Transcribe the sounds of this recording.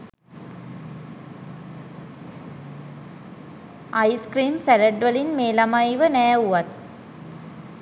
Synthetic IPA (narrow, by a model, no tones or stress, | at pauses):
ʔajskriːmsæləɖʋəlinmeːlamajʋənæːuʋat̪̚